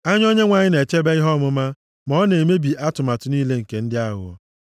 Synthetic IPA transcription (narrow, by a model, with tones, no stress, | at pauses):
a˦ɲ˦o˦ɲe˦ŋʷa˨ɲɪ˦ne˨t͡ʃe˦be˦i˦ɦɔ˦mʊ˦ma˦ | mɔ˦ne˨me˦bi˨ʔa˦tʊ˨ma˨tʊ˨niː˦le˦ŋ̩˨ke˨n̩˦dɪ˦a˦ɣʊ̰˨ɔ̰˨